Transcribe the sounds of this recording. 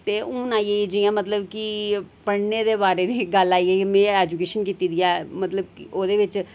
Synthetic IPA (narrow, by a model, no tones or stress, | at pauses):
t̪eːuːnaːieid͡ʒiãːmət̪ləbkipəɽneːd̪eːbaːɾeːd̪iːɡəlaːieːmɛ̃ːɛːd͡ʒukeːʃənkiːt̪iːd̪iːɛːmət̪ləbkʔoːd̪eːʋɪt͡ʃ